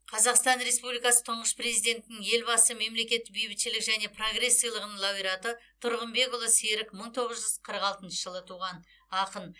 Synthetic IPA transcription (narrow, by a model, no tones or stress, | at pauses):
qʰɑzɑqst̪ɑnre̞spublijkɑsə̥t̪ʰʊɴʁəsprezijd̪e̞nt̪ɪnɪŋje̞lbɑsəme̞mle̞kʲe̞t̪ːɪk̚bijbɪt̪ʃɪlɪkʒæne̞pʰroɡre̞sːijɑlˠəʁənəɴlˠɑbijɾɑt̪ət̪ʰʊɾʁənbe̞kʊlˠəseɾɪkməɴt̪ʰo̞ʁəzʒʏz̥qʰəɾəqɑlˠt̪ənʃəʒ̥əlˠət̪ʰuʁɑn | ɑqən